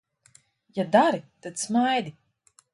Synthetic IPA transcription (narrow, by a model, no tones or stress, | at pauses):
jad̪aɾit̪ad̪̥smajd̪i